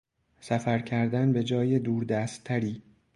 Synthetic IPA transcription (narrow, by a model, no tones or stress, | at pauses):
sæfæɾcʰæɾd̪ænbe̞d͡ʒɒːjed̪uːɾd̪æːst̪ʰːæɾiː